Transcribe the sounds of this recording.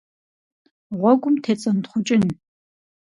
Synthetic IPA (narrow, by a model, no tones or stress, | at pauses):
ʁʷɔɡʷʼʊmtʰeːt͡sʼɐntχʷʊt͡ʃʼɪn